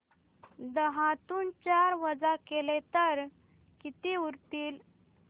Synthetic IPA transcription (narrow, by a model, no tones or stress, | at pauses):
d̪əɦat̪uːnt͡ɕaɾʋəd͡zakelet̪əɾ | kit̪iuɾt̪iːl